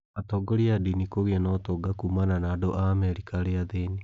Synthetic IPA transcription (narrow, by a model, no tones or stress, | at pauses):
atɔɡɔɾiadinikoɣeanɔtɔɡakumananaːdoʔamɛɾikaɾeaðeni